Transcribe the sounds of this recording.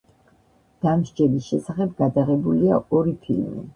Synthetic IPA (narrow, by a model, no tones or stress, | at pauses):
d̪̥amʒd͡ʒɛbisʃɛsaχɛb̚ɡad̪aʁɛbuliaɔɾipʰḭlmḭ